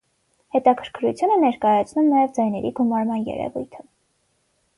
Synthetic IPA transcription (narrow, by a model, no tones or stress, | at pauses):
hɛt̪ɑkʰəɾkʰɾut͡sʰjunənɛɾkɑjɑt͡sʰnumnɑjɛvd͡zɑjnɛɾiɡumɑɾmɑnjɛ̰ɾɛ̰vujt̪ʰə